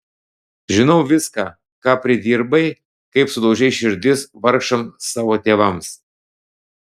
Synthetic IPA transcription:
ʒʲɪnɒʊʋʲɪskɑː | kɑːpʲɾʲɪd̪ʲiːɾbɐɪ | kɐɪpsʊd̪ɐʊd͡ʒʲɛɪʃʲɪɾʲd̪ʲɪsʋɐɾkʃɐmsɑːʋoːt̪ʲeːʋɐms

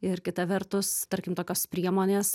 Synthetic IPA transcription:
ɪɾkʲɪt̪ɐʋʲɛɾt̪ʊst̪ɐɾʲkʲɪmt̪oːkʲoːspʲɾʲiɛmoːnʲeːs

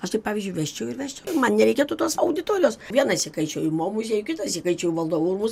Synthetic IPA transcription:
ɐʃt̪ɐɪpɑːʋʲiːzʲd͡ʒʲʊɪʋʲɛʃʲt͡ʃʲɛʊɪɾʋʲæːʃʲt͡ʃʲɛʊmɐnnʲɛɾʲɛɪkʲiɛt̪ʊt̪oːsɐʊd̪ʲɪt̪oːɾʲoːsʋʲiɛnɐsʲɪkɐɪt͡ʃʲoːjʊmoːmʊs̬ʲjɛjʊkʲɪt̪ɐsʲɪkɐɪt͡ʃʲoːjʊʋɐlˠd̪oːurmʊs

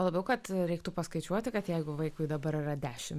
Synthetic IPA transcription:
lˠɐbʲɛʊkɐt̪ɾʲɛɪk̚t̪ʊpɐskɐɪt͡ʃʲuɔt̪ʲɪkɐt̪jɛɪɡʊʋɐɪkʊɪd̪ɐbɐɾirɐd̪ʲæːʃʲɪm

